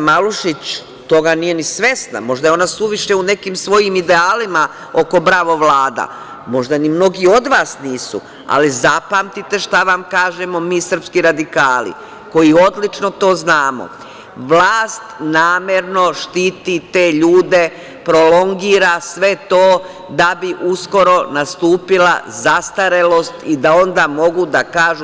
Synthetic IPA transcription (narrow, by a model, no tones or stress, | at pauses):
maluʃit͡ɕ | t̪o̞ɡanije̞nisʋe̞sna̰mo̞ʒd̪ajeo̞nasuʋiʃe̞une̞kimsʋo̞jimid̪eaːlima | o̞ko̞bɾaːʋo̞ʋlaːd̪a̰ | mo̞ʒd̪animno̞ɡio̞d̪ʋaːsniːsṵ | a̰lizapamt̪it̪e̞ʃt̪aʋamkaːʒemo̞miːsər̩pskiɾad̪ikaːlḭ | ko̞jio̞d̪lit͡ʃno̞t̪o̞ːznaːmo̰ | ʋlaːst̪naːmjeɾno̞ʃt̪iːt̪it̪e̞ːʎuːd̪e̞ | pɾo̞lo̞ŋɡiːɾasʋe̞t̪oː | d̪abiʔusko̞ɾo̞nast̪uːpila̰zast̪aɾe̞lo̞st̪id̪ao̞nd̪amo̞ɡud̪akaːʒu